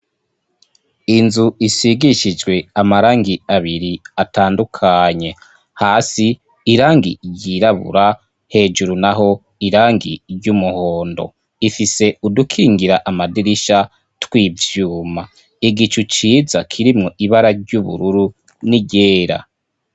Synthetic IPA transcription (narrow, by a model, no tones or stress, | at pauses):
inzuisiɡiʃid͡ʒɡwe̞amaɾaːŋɡiaβiɾiataːndukʰaɲe̞ | haːsiː | ɾaːŋɡiɟiɾaβṵɾa | he̞ːd͡ʒuɾunaɦo̞ | iɾaːŋɡiɟumuhoːndo̞̰ | ifise̞udukʰiːŋɡiɾaʔamadiɾiʃa | twiːvjuːma | iɡit͡ʃut͡ʃiːzakʰiɾimŋoʔiβaɾaɾɟuβṵɾuɾu | niɟeːɾa̰